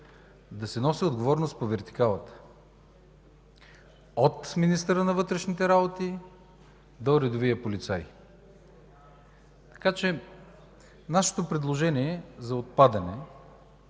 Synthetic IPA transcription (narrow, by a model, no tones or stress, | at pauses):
d̪ɐsɛnɔsiod̪ɡovɔɾnost̪povɛɾt̪i̥kalˠət̪ə̥ | ot̪minist̪əɾənɐvɤt̪ɾɛʃnit̪ɛɾabot̪i | d̪oɾɛd̪ovijəpolit̪saj | t̪ɐ̥kat͡ʃɛ | naʃɛ̥t̪opɾɛd̪lˠoʒɛniɛzɐot̪̚pad̪ɐnɛ